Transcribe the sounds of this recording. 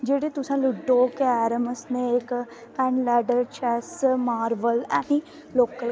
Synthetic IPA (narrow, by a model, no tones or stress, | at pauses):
d͡ʒeːɽeːt̪ʊsãːlʊɖoːkeɛːɾəməsneːɪk | pɛːnlɛːɖəɾt͡ʃɛːsmaːɾʋəlɛ̃ːɦĩː | loːkəl